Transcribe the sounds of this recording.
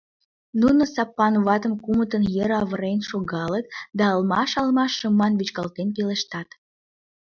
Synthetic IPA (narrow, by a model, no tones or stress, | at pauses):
nunosɑpːɑnβɑt̪əmkumət̪ənjəɾɑβəɾenʃoɣɑlət̪d̪ɑəlmɑʃɑlmɑʃːəmɑnβit͡ɕkɑlt̪enpeleʃt̪ɑt̪